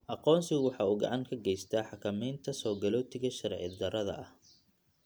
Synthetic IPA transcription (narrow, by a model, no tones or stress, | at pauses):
ʔɑqɔːnsɪɣʊwɑħɑːuːɡɑ̰ʕɑŋkʰɐɡɛjst̪ʰaːħɑkʰɐmɛjnt̪ʰɐsɔːɡɐlɔːt̪ʰɪɣɐʃɐɾʕɪ̰d̪ɐɾɐðɐ̰ʔɐh